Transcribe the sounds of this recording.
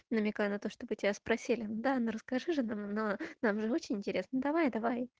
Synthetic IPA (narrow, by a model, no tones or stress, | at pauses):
nəmʲɪkajʊnɐt̪o̞ʂt̪o̞bɨtʲɪbʲaspɾɐsʲilʲɪnud̪anoɾəskɐʐɨʐɨnamnonamʐɨo̞t͡ɕɪnʲɪnʲtʲɪɾʲe̞snəd̪ɐvajd̪ɐvaj